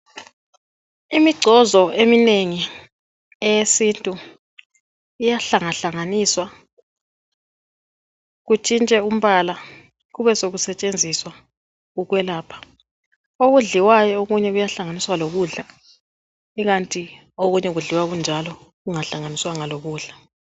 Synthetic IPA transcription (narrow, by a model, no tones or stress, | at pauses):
imiɡ͡ǀʱɔzɔemineŋi | ɛjesintʼu | ijaɬaŋaɬaŋaniːswa | ɣut͡ʃʼint͡ʃʼɛum̩βala | ɣuβɛsoɣusɛt͡ʃʼend͡zʱiswa | ɣuɣwɛlaːpʰḁ | oɣuɮiwajɔoɣuɲɛɣujaɬaŋaniswaloɣuɮa | iɣantʼi | oɣuɲɛɣuɮiwaɣund͡ʒʱalɔ | ɣuŋaɬaŋaniswaŋaloɣuːɮa